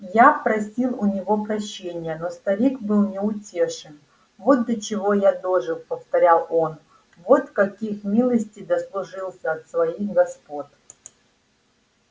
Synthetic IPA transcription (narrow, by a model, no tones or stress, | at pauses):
japɾɐsʲilˠʊnʲɪvo̞pɾɐɕːenʲɪjəno̞st̪ɐɾʲikbɨlˠnʲɪʊtʲeʂɨn | vo̞t̪̚d̪ət͡ɕɪvo̞jad̪oʐɨkpəft̪ɐɾʲalˠo̞n | vo̞t̪kɐkʲixmʲilˠəsʲtʲɪjd̪əslˠʊʐɨlˠsʲəɐt̪svɐixɡɐspot̪